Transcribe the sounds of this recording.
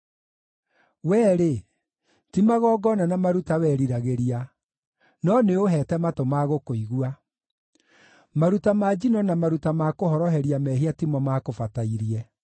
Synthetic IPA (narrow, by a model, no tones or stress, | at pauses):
wɛːɾe | timaɣɔːɡɔnanamaɾutawɛːɾiɾaɣeɾia | nɔneoɦɛːtɛmatomaɣokoiɣua | maɾutamaːd͡ʑinɔnamaɾutamakohɔɾɔɦɛɾiamɛɦiatimɔmaːkofataiɾiɛ